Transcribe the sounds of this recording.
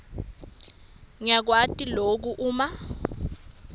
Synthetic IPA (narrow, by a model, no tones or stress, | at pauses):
ŋijak̬watʼilok̬uʔuːma